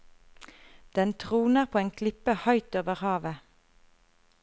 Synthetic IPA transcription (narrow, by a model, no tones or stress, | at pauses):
d̪̥ɛnt̪ʰʁuːnəʁpʰoːeːŋkʰlɪpəhɑʏt̪oːʋəʁhɑːʋə